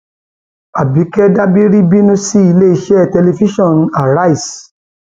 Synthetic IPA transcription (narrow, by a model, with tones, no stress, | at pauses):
a˨bi˨˦kɛ˦da˦bi˦ɾi˦bi˦nũ˦si˦i˧le˦i˧˦ʃɛ˦˨tɛ˧le˧fi˦ʃɔ̃˦˨n˨a˨ɾa˦i˨s